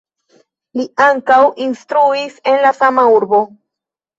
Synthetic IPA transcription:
liaŋkawinstɾuise̞nlasamauɾbo̞

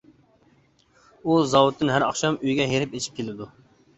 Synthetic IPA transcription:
uzɑwʊt̪ːɪnɦæɾɑ̰χʃɑmøjɡʲɛɦeɾɪpet͡ʃʰi̥p̚kʲʰelɪd̪u

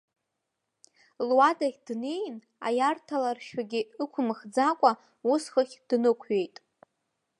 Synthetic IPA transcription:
lwadaχʲdne̞jn | a̰jartʰalarʃᶣaɡʲɪɨkʷʰʊmχd͡zakʷʼa | usχəχʲd̥nɨkʷʰɥe̞jtʼ

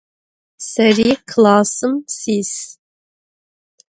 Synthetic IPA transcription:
sɛɾiːkʰlɑːsɨmsiːs

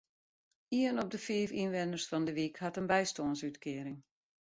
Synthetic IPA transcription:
iənɔp̚dəfiːfinʋɛndərsfɑndəʋikhatənbɛjstoːnsytkʰɪəɾɪŋ

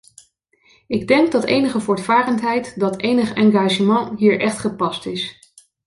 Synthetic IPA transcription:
ɪɡdɛŋɡ̚dɑtejnəχəvʊːɹtfaːrəntɦɛjtdɑtejnəχɛŋɡaːʒəmɑnɦiːɹʔɛχtχəpɑstɪs

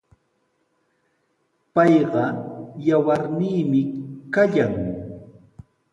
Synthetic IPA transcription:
pɑjɢɑjawaɾniːmɪkaʎaŋ

